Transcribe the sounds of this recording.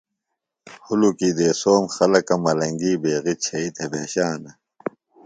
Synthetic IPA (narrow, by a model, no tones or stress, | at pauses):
hulukid̪eːsoːmxɐlɐkɐmɐlɐŋɡiːbeːɣit͡ɕʰɐit̪ʰebʱeːɕaːnɐ